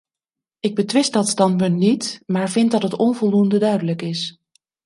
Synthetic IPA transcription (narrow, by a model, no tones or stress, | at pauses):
ʔɪɡ̚bətʋɪst̚dɑtstɑntpɵntnitmaːɹvɪntdɑtɦətɔnvɔlˠdundədœɥdələkɪs